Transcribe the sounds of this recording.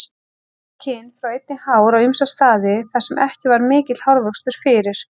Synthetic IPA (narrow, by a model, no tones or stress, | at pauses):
cʰɪnfɾawejt̪̚nɪhaːwɾawimsast̪aːðɪθasːɛmʔɛhcɪvaɾmɪːcɪt̪lhawɾvœkst̪ʏɾ̥fɪːɾɪɾ̥